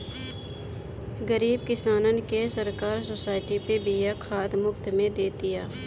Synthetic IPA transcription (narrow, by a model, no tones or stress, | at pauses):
ɡəɾiːb̚kɪsaːnənkesəɾkaːɾsoːsaːɪʈipebijakʰaːd̪mʊkt̪mẽd̪eːt̪ijaː